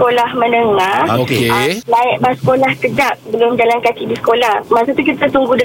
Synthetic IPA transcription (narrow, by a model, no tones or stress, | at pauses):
olahmə̃nəŋaoklaɪʔbasə̥kolahkəd͡ʒaʔ̚bəlʊmd͡ʒalankakidisə̥kolahmaʔsot̪ukit̪at̪uŋɡudə